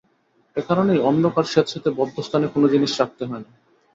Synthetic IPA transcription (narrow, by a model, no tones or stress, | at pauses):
ekaɾonejɔnːokaɾʃet̪ʰʃʰet̪ebɔd̪ʱːost̪ʰanekonod͡ʑiniʃɾak̚t̪eɦɔeni